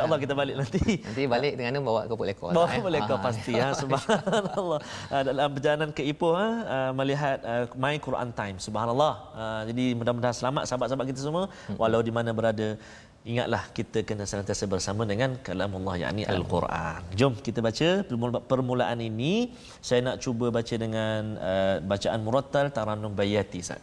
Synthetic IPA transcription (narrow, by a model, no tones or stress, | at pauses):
ʃaʔɑlːɑhkit̪əbalɪk̚nant̪iat̪ibalɪʔ̚dəŋanəbawa̰ʔkəpuʔlekɔ̰bawaʔkəpuʔlekɔpast̪iasubhanlˠːɑhədalampərd͡ʒalanankəipʊhaəmə̃liɦat̪̚əmãikuɾʔa̰nt̪ajmsubhanəlˤːɑhəd͡ʒadimudahmədaɦasəlama̰ʔ̪̚sabat̪̚sabaʔ̪kit̪̬əs̬əmuə | wʔalawdimanə̃bəɾadə | iŋa̰t̪̚lahkit̪əkənə̃səlãnt̪iasəbərsamə̃dəŋãnkalamlˤːɑhja̰ʔniʔa̰lkṵrʔa̰nd͡ʒʊmkit̪əbat͡ʃəpərmulaʔanini | sajanaʔt͡ʃubəbat͡ʃədəŋanəbat͡ʃaʔanmuɾat̪ːalt̪aɾanʊŋbajat̪isa̰ʔ